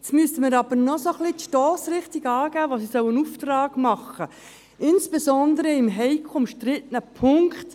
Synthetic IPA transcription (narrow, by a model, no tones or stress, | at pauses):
t͡smyəstəmɪɾɑb̥əɾnɔsoχlitʃtɔːsrɪχtiɡɑːɡ̥æːʋosisœwənuftrɑːɡ̥mɑχːə | ɪnsb̥esɔnd̪əɾəɪmɦɛɪkʰʊmʃtɾɪtənəpʰʊŋkt